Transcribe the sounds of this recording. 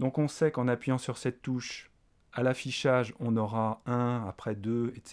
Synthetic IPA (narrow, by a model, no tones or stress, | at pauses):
d̪ɔ̃kɔ̃sɛkɑ̃napɥijɑ̃syʁsɛt̪ːuʃ | alafiʃaʒɔ̃nɔʁaɛ̃apχɛd̪øɛt̪s